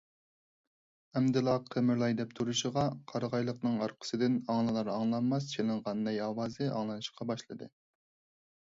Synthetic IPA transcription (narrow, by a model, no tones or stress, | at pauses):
ɛmd̪ɨlˠɑqʰəmɪɾlˠɑjd̪ɛpt̪ʰuɾuʃəʁɑqʰɑɾəʁɑjlˠəqnɨŋɑɾqʰə̥sɨd̪ɪnɑŋlˠɨlˠɑɾɑŋlˠɑnmɑst͡ʃʰelˠɨɴʁɑnːɛjɑːwɑːzɨɑ̰ŋlˠɨnɨʃqʰɑbɑʃlˠɨd̪ɨ̰